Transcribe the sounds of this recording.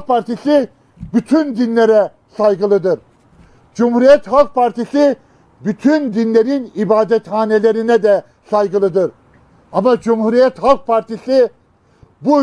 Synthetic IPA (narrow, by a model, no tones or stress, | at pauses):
pʰaɾt̪ʰisi | byt̪ʰynd̪inlʲeɾɛ | sajɡɯlˠɯd̪ɯɾ | d͡ʒumhuɾijɛt̪halˠk̚pʰaɾt̪isi | byt̪ʰynd̪inlʲeɾinibaːd̪ɛt̪haːnelʲeɾinɛd̪ɛ | sajɡɯlˠɯd̪ɯɾ | amad͡ʒumhuɾijɛt̪halˠk̚pʰaɾt̪ʰisi | bu